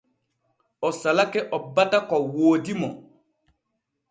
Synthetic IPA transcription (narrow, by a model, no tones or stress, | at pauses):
ɔsalakɛʔɔbatakɔwoːdimɔ̰